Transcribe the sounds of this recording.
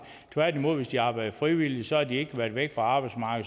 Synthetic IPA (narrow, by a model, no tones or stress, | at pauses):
t͡sʰʋæɐ̰d̥imo̝ð̰ˠʋe̝sd̥iɑ̈ːb̥ɑ̈ɪd̥ð̩̥ˠfʁiʋil̰isɒ̽hɑ̈d̥ie̝ɡ̥əʋæɐd̥ʋeɡ̥fʁɑ̈ɑ̈ːb̥ɑ̈ɪd̥smɑ̈ːɡ̥əð